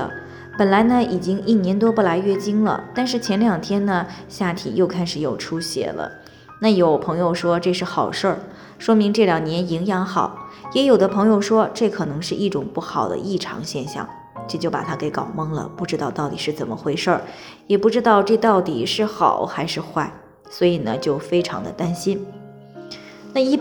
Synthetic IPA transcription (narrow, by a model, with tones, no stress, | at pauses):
pə˨˩nla˧˥ɪnə˧i˨˩t͡ɕi˥ŋi˥˩njɛ˧˥nt̪wɔ˥pu˥˩la˧˥ɪɥɛ˥˩t͡ɕi˥ŋlə̰˨t̪a˥˧nʂɻ̩˥˩t͡ɕʰjɛ˧˥nljɑ˨˩ŋt̪ʰjɛ˥nnə˨ɕja˥˩t̪ʰḭ˨˩jo˥˧ʊkʰa˥ɪʂɻ̩˧˥jo˨˩ʊʈ͡ʂʰu˥ɕjɛ̰˨˩lə̰˦ | na˥˩jo˨˩ʊpʰɤ˧˥ŋjo˧ʊʂwɔ˥ʈ͡ʂɤ˥˧ʂɻ̩˥˩xɑ˨˩ʊʂə˥˩ | ʂwɔ˥mi˧˥ŋʈ͡ʂɤ˥˩ljɑ˨˩ŋnjɛ˧˥ni˧˥ŋjɑ˧˥ŋxɑ˨˩˦ʊjɛ˧˥jo˨˩ʊd̪ə˦pʰɤ˧˥ŋjo˥˧ʊʂwɔ˥ʈ͡ʂɤ˥˩kʰɤ˨˩nɤ˧˥ŋʂɻ̩˥˧ʔi˥˩ʈ͡ʂʊ˨˩ŋpu˥˩xɑ˨˩ʊd̪ə̰˦ʔi˥˩ʈ͡ʂʰɑ̰˧˥ŋɕjɛ˥˧nɕjɑ̰˥˩ŋ | ʈ͡ʂt͡ɕjo˥˩ʊpa̰˨˩t̪ʰa˥ke˧˥ɪkɑ˨˩ʊmɤ˥ŋlə̰˧pu˥˩ʈ͡ʂɻ̩˥t̪ɑ˥˧ʊt̪ɑ˥˩ʊt̪ḭ˨˩ʂɻ̩˥˩t͡sə˨˩nmə˦xwe˧˥ɪʂə˥˩ | jɛ˨˩pu˥˩ʈ͡ʂɻ̩˥t̪ɑ˥˧ʊʈ͡ʂɤ˥˧t̪ɑ˥˩ʊt̪i˨˩ʂɻ̩˥˩xɑ˨˩˦ʊxa˧˥ɪʂɻ̩˥˧xwa˥˩ɪ | swɔ˧˥i˨˩nə˩t͡ɕjo˥˩ʊfe˥ɪʈ͡ʂʰɑ̰˧˥ŋd̪ə̰˧t̪a˥nɕi˥n | na˥˧i˥˩